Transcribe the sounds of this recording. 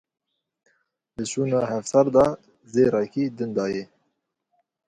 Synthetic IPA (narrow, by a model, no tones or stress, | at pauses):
d̪ɨt͡ʃuːnɑːhɛvsɑɾd̪ɑː | zeːɾɑkiːd̪ɨnd̪ɑːjɛ